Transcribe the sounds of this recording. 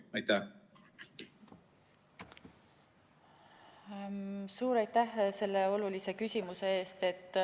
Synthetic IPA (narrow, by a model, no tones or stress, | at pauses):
ɑjt̪æ | suːɾɑjt̪ːˑæhse̞lːe̞o̞lulise̞kysʲimuse̞e̞ːst̪e̞t̪ːˑ